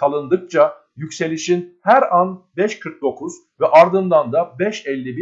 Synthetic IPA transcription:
alˠɯnd̪ɯk̚t͡ʃʰa | jycse̞lʲiʃinhæɾanbɛʃkʰɯɾk̚d̪o̞kʰuz̥ | vɛʔaɾd̪ɯnd̪and̪abɛʃɛlʲːibi

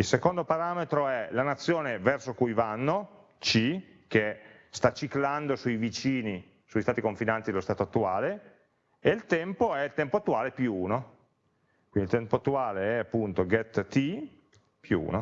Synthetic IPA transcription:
ilsekond̪opaɾaːmet̪ɾoɛlanat̪sːjoːnevɛrsokujvanːo | t͡ʃi | k̟e | st̪at͡ʃikland̪osuijvit͡ʃiːni | suist̪aːt̪ikoɱfinant̪id̪elost̪aːt̪oat̪ːuaːle | eilt̪ɛmpoɛilt̪ɛmpoat̪ːuaːlepjuuːno | kwind̪ilt̪ɛmpoat̪ːuaːleɛapːunt̪oɡɛt̪ːi | pjṵṵːno

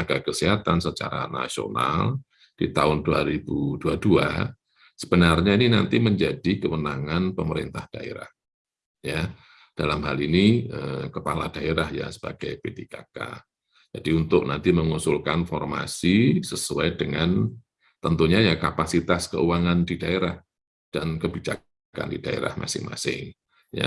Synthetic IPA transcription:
aɡ̥akəsiɦat̪ansət͡ʃa̰ɾa̰na̰sio̰na̰l | d̥it̪aʊnduaɾibud̥uadua | səb̥ənarɲaininant̪iməɲd͡ʒadikəwənaŋanpəməɾint̪ahd̥aḛɾa̰h | ja | d̥alamɦaliniəkəpalad̥aeɾahja̰sə̥b̥aɡ̥ajpedikaka̰ | d͡ʒad̥iunt̪ʊk̚nant̪iməŋusʊlkanfɔrma̰sisəsuajdəŋan | t̪ənt̪uɲajakapasit̪askə̰uwaŋandidaeɾah | d̥ankəbid͡ʒa | ka̰ndid̥aḛɾa̰hma̰sɪ̰ŋma̰sɪ̰ŋ | ja̰

